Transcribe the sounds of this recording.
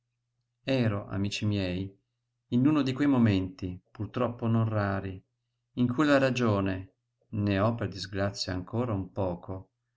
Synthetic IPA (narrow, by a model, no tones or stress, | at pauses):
ɛːɾoʔa̰miːt͡ʃimjɛj | inuːnod̪ikwejmoment̪ipurt̪ɾɔpːononraːɾi | iŋkʰujlaɾad͡ʒoːne | neɔpːerd̪izɡɾat̪sːjaːŋkoːɾaumpɔːkʰo